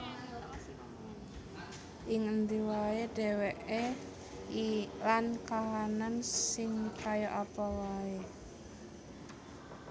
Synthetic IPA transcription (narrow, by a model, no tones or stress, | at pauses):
ʔɪŋənd̪iwaed̥ɛ̤wɛʔe | ilankaɦanansɪŋkajoʔapawae